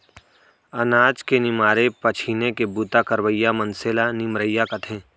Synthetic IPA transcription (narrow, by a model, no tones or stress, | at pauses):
ɐnaːd͡ʒkenɪmaːɾepɐt͡ʃʰiːnekebuːt̪akəɾwəjːamənseːlanɪmɾəjːakɐt̪ʰẽː